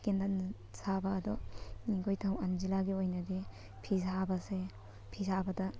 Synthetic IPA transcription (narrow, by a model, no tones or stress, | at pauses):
kendan | sabɐːd̪ɔniɡojtʰawanzilaɡiojnɐde | pʰizabɐse | pʰizabɐdɐ